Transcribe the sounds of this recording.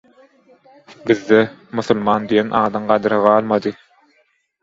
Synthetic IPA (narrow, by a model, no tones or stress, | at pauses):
biðːemʊθulˠmɑːnd̪ijenʔɑːd̪ɑɴɢɑd̪ɯɾɑʁɑːlˠmɑd̪ɯ